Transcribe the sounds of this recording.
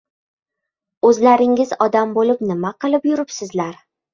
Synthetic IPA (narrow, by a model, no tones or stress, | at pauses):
ɵzlaɾɪŋɪzɒd̪ambolɪpnɪmaqɨlˠɪpjʊɾɪpsɪzlaɾ